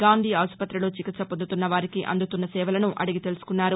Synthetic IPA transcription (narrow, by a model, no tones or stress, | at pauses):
ɡaːnd̪ʱiːaːspɐt̪ɾiloːt͡ʃikit̪sɐpond̪ut̪unːɐʋaːɾikiʔɐ̰nd̪ut̪unːɐsɛːʋɐlɐnuʔɐ̰ɽiɡit̪e̞lusu̥kunːaːɾu